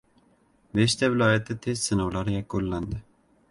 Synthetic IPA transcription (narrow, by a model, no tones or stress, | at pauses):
beʃt̪ʰɛvɪlɒːjat̪ʰːɪt̪ʰezsɨnɒwlaɾɪjakulːand̪ɪ